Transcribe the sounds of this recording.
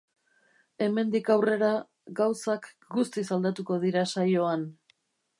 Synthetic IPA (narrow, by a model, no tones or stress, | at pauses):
e̞me̞nd̪ikawre̞ɾa | ɡawsak | ɡust̪isald̪at̪uko̞ðiɾasajo̞an